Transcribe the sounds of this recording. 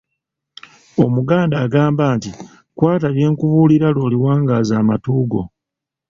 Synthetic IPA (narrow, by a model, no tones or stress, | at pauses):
o̞muɡaːndaːɡaːmbaːnti | kwaːtaβje̞ːŋkuβuːliɾalo̞ːliwaːŋɡaːzaːmatuːɡo̞̰